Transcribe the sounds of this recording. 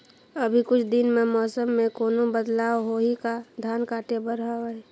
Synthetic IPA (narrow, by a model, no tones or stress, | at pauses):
əbʱikʊt͡ʃʰd̪ɪnmẽmɔːsəmːẽkoːnobəd̪laːwɦoɦikad̪ʱjaːnkaːʈʰebəɾɦaɛ